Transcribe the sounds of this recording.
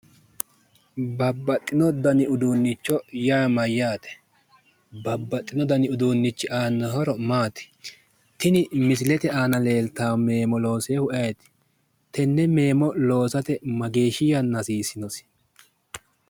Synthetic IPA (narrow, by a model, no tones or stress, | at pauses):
bɐbːɐt̪ʼːɪnɔd̪ɐnɪʊd̪uːnːɪt͡ʃːɔjaːmɐjːaːt̪ɛ̥ | bɐbːɐt̪ʼːɪnɔd̪ɐnɪʊd̪uːnːɪt͡ʃːɪʔaːnːɐɦɔɾɔmaːt̪ɪ̥ | t̪ɪnɪmɪsɪlɛt̪ɛaːnɐle̞ːlt̪aːme̞ːmɔlo̞ːseːhʊʔɐjɛt̪ɪ̥ | t̪ɛnːɛmeːmɔlo̞ːsɐt̪ɛmɐɡeːʃɪjɐnːɐsiːsɪnɔsɪ̥